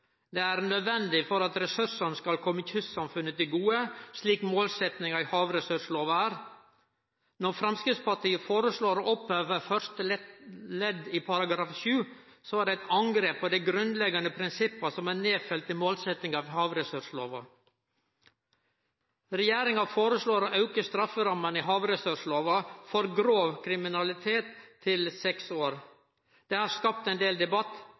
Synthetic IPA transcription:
d̪ɛæɾnœd̪ʋɛnd̪ɪfɔɾɑt̪ɾɛsʉʂənskɑlkʰɔmːəɪçʰʉssɑmfʉnːət̪ɪlɡuːəʂɭiːkmoːlsɛt̪nɪŋɑɪhɑːʋɾɛsʉʂloːʋɑæːɾ | nɔɾfɾɑmskɾɪt̪spɑʈiːəfoːɾəsɭoːɾoʔɔpøːʋəfœɾʂt̪əlɛd̪ɪpʰɑɾɑɡɾɑːfʃʉː | sɔæɖæɪt̪ɑŋɡɾeːpʰːɔd̪æɪɡɾʉnlɛɡɑnəpʰɾɪnsɪpːəsɔmæːneːfœlt̪ɪmoːlsɛt̪ɪŋɑːʋhɑːʋɾɛsʉʂlo̰ːʋɑ | ɾɛjeːɾɪŋɑfoːɾəsɭoːɾɔʔɑʉkəst̪ɾɑfəɾɑmːəniɦɑːʋɾɛsʉʂloːʋɑfɔɾɡɾoːʋkʰɾɪmɪnɑlɪt̪ʰeːt̪ʰːɪlsɛksoːɾ | d̪̥ɛːhɑskɑp̚t̪ɛɪnd̪eːld̪ɛbɑt̪ː

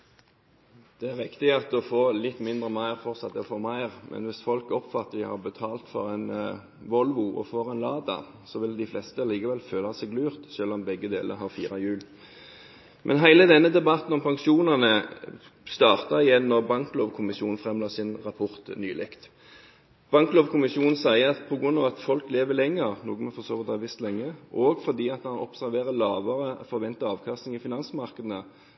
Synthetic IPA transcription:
d̪̥ɛæʁʋɪkt̪ɪɑt̪ːɔfoːlɪt̪ːmɪnd̪ʁəmæɪʁfɔʁt̪sɑt̪ːɛɔfoːmæɪʁmʔɛ̰nʋɪsfɔlkɔpfɑt̪ːəɪhɑ̰ʁbət̪ʰɑːlt̪fɔʁɛɪn | ʋɔlʋʊʔɔ̰fɔʁɛɪnlɑːd̪ɑ̰ | sɔʋɪld̪ɪflɛst̪əliːkəʋɛlføːlɑsɛɪɡlʉːʁt̪ʃøːlɔmbɛɡːəd̪ḛːlə̰ɦɑʁfḭːʁɑjʉːl | mʔɛ̰nɦæɪləd̪ɛnːəd̪ɛbɑt̪n̩ɔmpʰɑŋʃuːnɑnə | st̪ɑːʁt̪ɑɪjɛnːɔʁbɑŋkloːʋkʰʊmɪʃjuːn̩fʁɛmloːsɪnʁɑpʰɔʁt̪nyːlʔɪkt̪ | b̥ɑŋkloːʋkʰʊmɪsjuːnn̩sæɪəɑt̪pʰɔɡʁʉnːɑʋɑt̪fɔlkleːʋəlɛŋːəʁnuːɡənmɛfɔsoːʋət̪hɑʋɪst̪lɛŋːəʔɔɡfɔʁd̪iːɑt̪mɑnɔ̰psæɾʋeːʁəlɑːʋəʁəfɔʁʋɛnt̪əɑːʋkʰɑst̪ɪŋɪfɪnɑnsmɑʁkəd̪nə

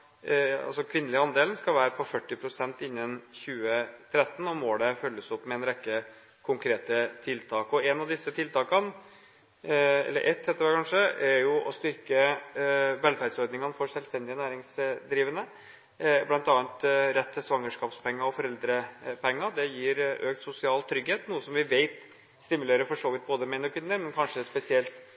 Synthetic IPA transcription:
ɑ̰lsɔkʰʋɪnːəlɪɑnd̪eːlənskɑlʋæːɾəpʰɔfœʈːɪpʰɾʊsɛnt̪ɪnːənçʉːət̪ʰɾɛt̪ːən̩ɔmoːɖ̪ɛfœlːəsɔpːmɛɛnɾɛkːə | kʰʊŋkʰɾeːt̪ət̪ʰɪlt̪ʰɑːkɔɛnɑʋd̪ɪsːət̪ʰɪlt̪ʰɑːkɑn | ɛ̰lːə̰ʔɛt̪ːhɛːt̪əɾɛkʰɑnʂəæɾjʊʔɔst̪ʏɾkə | ʋɛlfæːɾɖ̪sɔɾd̪nɪŋənfɔɾʂɛlst̪ɛnd̪ɪənæːɾɪŋsd̪ɾiːʋənə | blɑnt̪ɑːnt̪ɾɛt̪ʰːəsʋɑŋːəʂkɑːpspʰɛŋːɑɔfɔɾɛld̪ɾəpʰɛŋːɑd̪ɛjiːɾøːkt̪sʊsɪɑːlt̪ʰɾʏɡheːt̪nuːəsɔmʋɪʋeɪt̪ | st̪ɪmʉleːɾəfɔʂoːʋɪt̪̚boːd̪əmɛɪnɔkʰʏnːəɾmɛnkʰɑnʂəspɛsɪɛlt̪

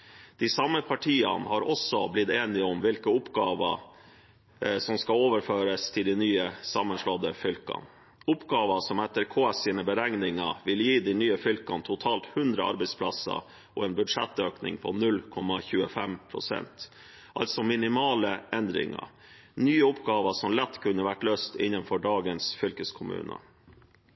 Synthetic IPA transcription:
d̪̥ɪsɑmːəpʰɑʈʰiːə̰nhɑɾɔsɔblɪt̪eːnɪɔmʋɪlkəʊpɡɑːʋə̰ | sɔmskɑoːʋəɾføːɾəst̪ʰɪld̪ɪnyːəsɑmːənʂlɔd̪əfʏlkɑ̰n | ʊpɡɑːʋəsɔmɛt̪ːəɾkʰoːɛsɪːnəbəɾɛŋnɪŋɑʋɪljiːd̪ɪnyːəfʏlkɑnt̪ʰʊt̪ʰɑːlt̪hʉnd̪ɾəɑ̰ɾbɛɪspʰlɑsɑ̰ | ɔɛːnbʉd̪ʂɛ̰t̪ːøːknɪ̰ŋpʰɔnʉlkʰɔmːɑçʉːəfɛmpʰɾʊ̰sɛ̰nt̪ | ʔɑ̰lt̪sɔmɪnɪmɑːləɛnd̪ɾɪ̰ŋɑ̰ | nyːəʊpɡɑːʋəʂɔmlɛt̪ːkʰʉnːəʋæʈløːst̪ɪnːənfɔɖɑːɡənsfʏlkəskʰʊmʉ̰ːnə̰

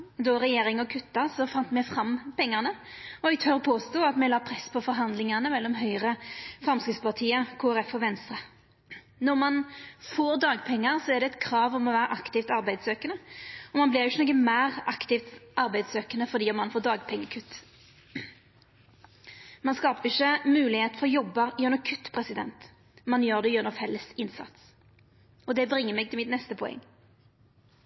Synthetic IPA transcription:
d̪ɔʁɛjeːɾɪŋɔkʰʉt̪ːɑsɔfɑnt̪mɛfʁɑmpɛŋːəʁnəɔɪt̪ʰœʁpʰoːst̪uːɑt̪mɛlɑːpʰʁɛsːpʰɔfɔɾɦɑnd̪lɪŋɑnəmɛlːɔmɦœʏʁəfʁɑmskɪt̪spɑʁt̪ʰiːəkʰoːæʁɛfɔʋɛnst̪ʁə | nɔʁmɑnfoːɾd̪ɑːɡpʰɛŋːəɾsɔɛʁd̪ɛɛt̪kʰɾɑːʋɔmɔʋæːɾəʔɑkt̪ɪft̪ɑɾbæɪd̪søːkənəɔmɑnblɪʁɪʃənɔɡəmæːʁɑkt̪ɪft̪ʔɑʁbæɪd̪søːkənəfɔd̪iːɔmːɑnfoːd̪ɑːɡpʰɛŋːəkʰʉt̪ː | mɑnskɑːpəʁɪçːəmʉːlɪheːt̪əfɔʁɔjɔbːɑjʉnɔkʰʉt̪ːpʰʁɛsɪd̪ɛ̰nt̪ | mɑnjøːʁd̪ɛjœnɔfɛlːəsɪnsɑ̰t̪s | ɔd̪ɛbʁɪŋːəɾmɛːɡt̪ʰɪlmɪt̪nɛst̪əpʰɔɛ̰ŋː

